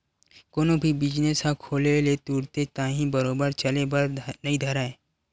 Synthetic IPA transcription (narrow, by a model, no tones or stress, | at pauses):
koːnõbʱibɪd͡ʒnesɦãkʰoːlelet̪uːɽt̪et̪ãːɦĩbɐɾoːbəɾt͡ʃɐlebəɾnɐid̪ʱɐɾaːeː